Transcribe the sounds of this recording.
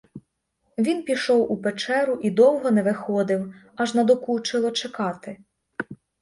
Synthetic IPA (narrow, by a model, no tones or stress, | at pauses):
ʋʲinpʲiʃɔwupet͡ʃɛɾʊʔid̪ɔwɦɔnɛʋɪxɔd̪ɪw | ɑʒnɐd̪ɔkut͡ʃɪlˠɔt͡ʃɛkɑt̪ɪ